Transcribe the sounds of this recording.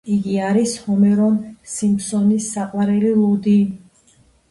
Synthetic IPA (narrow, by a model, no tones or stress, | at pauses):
iɡiaɾishɔmɛɾɔnsimsɔnisːaqʼwaɾɛlilˠɔd̪i